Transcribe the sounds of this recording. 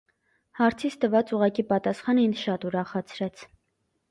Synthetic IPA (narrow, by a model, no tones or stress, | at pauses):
hɑɾt͡sʰit͡sʰt̪əvɑt͡suʁɑkipɑt̪ɑsχɑninʃɑt̪uɾɑχɑt͡sʰɾɛt͡sʰ